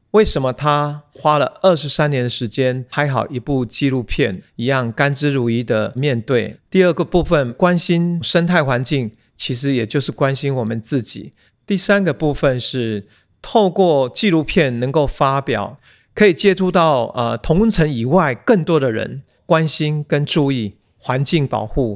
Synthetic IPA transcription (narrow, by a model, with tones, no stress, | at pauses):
we˥˩ɪʂə˧˥mə˧t̪ʰa˦xwa˦˥lə˨ə˥˩ʂɻ̩˧˥sa˥njɛ˧˦˥nd̪ə˨ʂɻ̩˧˥t͡ɕjɛ˥˦nxa˧˥ɪxɑ˨˩ʊi˧˥pu˥˧t͡ɕi˥˧lu˥˧pʰjɛ˥˨ni˧˥jɑ˥˨ŋka˥nʈ͡ʂɻ̩˥ɻu˧˥i˥d̪ə˨mjɛ˥˧nt̪we˥˩ɪt̪i˥˧ə˥˩ɡə˩pu˥˧fə˨nkwa˦nɕi˥nʂə˥nt̪ʰa˥˩ɪxwa˧˥nt͡ɕi˥˩ŋ | t͡ɕʰi˧˥ʂ̬ɻ̩˧˦jɛ˨˩t͡ɕjo˥˧ʊʂ̩˥˩kwa˦nɕi˥nwɔ˨˩mə˦nt͡sɹ̩˥˩t͡ɕḭ˨˩˦ | t̪i˥˩sa˥nɡə˨pu˥˧˩fə˨nʂɻ̩˥˩ | t̪ʰo˥˧ʊkwɔ˥˧t͡ɕi˥˧lu˥˧pʰjɛ˥˩nnə˧˥ŋko˥˩ʊfa˥pjɑ̰˨˩˦ʊ | kʰɤ˧˥i˨˩t͡ɕjɛ˥t̪ʰu˥˧t̪ɑ˥˩ʊə˨˩t̪ʰʊ˧˥ŋt͡sʰə˧˥ŋi˨˩wa˥˧ɪkə˥˩ŋt̪wɔ˥ɾə˨ɻə̰˧˦n | kwa˦nɕi˥nkə˦nʈ͡ʂu˥˧i˥˩ | xwa˧˦nt͡ɕi˥˩ŋpɑ̰˨˩ʊxu˥˩